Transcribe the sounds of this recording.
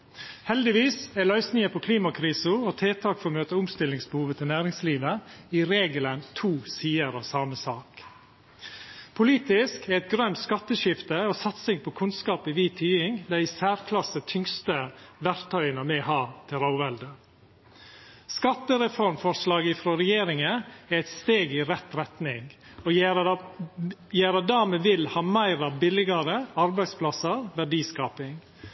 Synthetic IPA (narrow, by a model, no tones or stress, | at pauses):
hɛld̪ɪʋiːsælœʏsnɪŋəpʰɔkʰliːmɑkʰɾiːsʊot̪ʰeːt̪ʰɑːkfɔɾmøːt̪əʊmst̪ɪlɪŋsbəhuːʋət̪ʰɪlnæːɾɪŋsliːʋəɪɾeːɡələnt̪ʰuːsiːəɾɑʋsɑːməsɑːk | pʰʊliːt̪ɪskɛɾɛt̪̚ɡɾœmt̪skɑt̪ːəʃɪft̪əoːsɑt̪sɪŋpʰɔkʰʉnskɑːpɪʋiːt̪ʰyːɪŋd̪æɪɪsæːɾkʰlɑsət̪ʰʏŋst̪əʋæɾt̪ʰœʏənəmɛhɑːt̪ʰɪlɑʊʋɛld̪ə | skɑt̪ːəɾɛfɔɾmfɔɾʂlɑːɡɪfɾɔɾɛjeːɾɪŋəæɾɛt̪st̪eːɡɪɾɛt̪ɾɛt̪nɪŋ | ɔ | jæːɾəd̪æːmɛʋɪlhɑːmæɪɾɑbɪlɪɡɑɾəɑɾbæɪd̪spʰlɑsəɾʋæɖiːskɑːpɪŋ